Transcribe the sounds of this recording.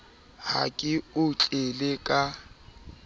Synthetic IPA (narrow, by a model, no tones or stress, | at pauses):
ha̰kʼɪʊt͡ɬʼelekʼa